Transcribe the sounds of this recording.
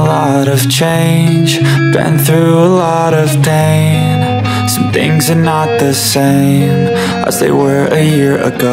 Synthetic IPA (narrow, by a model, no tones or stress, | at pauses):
lɔ | ɾʌv̥t͡ʃʰẽɪɪ̃nnd͡ʒ | b̥ɨ̰̃nθɹʉəlɔ | ɾʌv̥tʰẽɪ̃m | sʌ̃mθɪ̰̃ŋzə˞nət̪̚ðɨsẽɪ̃m | ʔə̰zðḛɪwə˞ɨjɪɹɨ̰ɡo